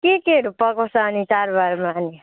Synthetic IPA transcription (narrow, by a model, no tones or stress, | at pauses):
kikeɾupʌkosanit͡ʃaɾbaɾmani